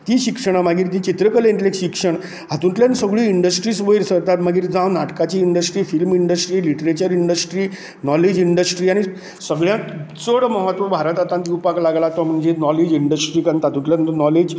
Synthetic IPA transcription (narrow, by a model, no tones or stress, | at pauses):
t̪ĩːɕikʂəɽ̃amaɡiːɾt̪ĩːt͡ɕit̪ɾəkəlẽɳt̪lekɕikʂəɳ | ɦat̪ũɳʈ̪ljansəɡɭiːiɳɖəsʈɾiːsʋəjɾsəɾt̪at̪maɡiːɾd͡zãwnaʈkat͡ɕiːɳɖəsʈɾiːfilmiɳɖəsʈɾiːliʈəɾet͡ɕəɾiɳɖəsʈɾiː | nɔled͡ʑiɳɖəsʈɾiːaɽ̃i | səɡɭjãt͡səɽməɦət̪ʋəbʱaɾət̪at̪ãnt̪iupaklaɡlat̪ɔm̤əɳd͡ʑenɔled͡ʑiɳɖəsʈɾiːkənt̪at̪ũɳʈ̪ljat̪nɔled͡ʑ